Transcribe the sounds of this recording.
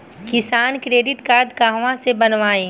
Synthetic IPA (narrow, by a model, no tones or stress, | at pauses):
kɪsaːnkɾeːɖɪʈ̪kaːɾd̪kaːɦʋãsebɐnʋaːẽː